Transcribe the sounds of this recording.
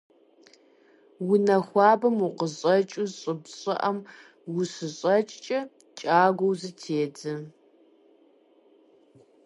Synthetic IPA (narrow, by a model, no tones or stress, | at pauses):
wʊnɐxʷɑːbɐmuqəɕʼɐt͡ʃʼʊzɕʼɪbɕʼɪ̰ʔɐm | wʊsɨɕʼɐt͡ʃʼt͡ʃʼɐ | t͡ʃʼaːɡʷowzɨtʰeːd͡zɨ